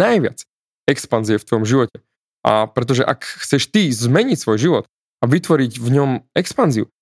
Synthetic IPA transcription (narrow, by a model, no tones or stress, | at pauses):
ajʋɪa̰t͡s | ɛkspanziɛft̪ʋɔjɔmʒiʋɔcɛ | ʔa̰pɾɛt̪̬ɔʒɛʔakxt͡sɛʃt̪izmɛɲicsʋɔjʒiʋɔt̪ | aʋit̪ʋɔɾiɟvɲɔmɛkspanziṵ